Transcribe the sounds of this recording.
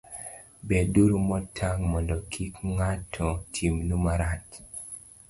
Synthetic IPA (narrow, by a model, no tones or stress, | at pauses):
bɛduɾumɔtʰːaŋmɔndɔkʰikŋatʰɔtʰimnumaɾat